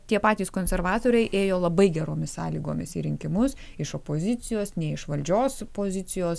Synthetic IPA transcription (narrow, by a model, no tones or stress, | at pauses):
t̪ʲiɛpɑːt̪ʲiːskoːnʲsʲɛɾʋɑːt̪oːɾʲɛɪʔeːjoːlˠɐbɐɪɡʲɛɾoːmʲɪssɑːlʲiːɡoːmʲɪsḭɾʲɪŋʲkʲɪmʊs | ɪʃoːpoːzʲɪsʲɪjoːsnʲɛɪɪʃʋɐlʲd͡ʒʲoːspoːzʲɪt̪ʲɪjoːs